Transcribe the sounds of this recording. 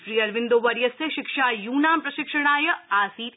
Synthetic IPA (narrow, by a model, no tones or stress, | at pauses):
ʃɾiːɐɾʋɪ̃nd̪oːʋɐɾjɐseʃɪkʃaːjuːnaːmpɾɐʃɪkʃɐɽ̃aːjɐaːsiːt̪